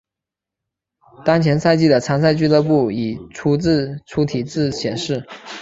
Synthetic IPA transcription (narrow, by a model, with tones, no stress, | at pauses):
t̪ɑ˥ŋt͡ɕʰjɛ˧˥nsa˥˧ɪt͡ɕi˥˩d̪ə˩ʈ͡ʂʰa˧˥nŋsa˥˧ɪt͡ɕy˥˧lɤ˥˧pu˥˩i˨˩ʈ͡ʂʰu˧˥t͡sɹ̩˥˩ʈ͡ʂʰu˧˥t̪ʰi˨˩t͡sɹ̩˥˩ɕjɛ˨˩nʂɻ̩˥˩